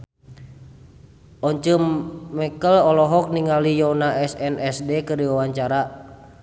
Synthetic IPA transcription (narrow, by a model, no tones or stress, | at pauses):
ʔɔɲt͡ʃəmːɛkəlɔlɔɦɔk̚niŋalijɔnaʔɛsɛnʔɛsdɛkərdiwawaɲt͡ʃaɾa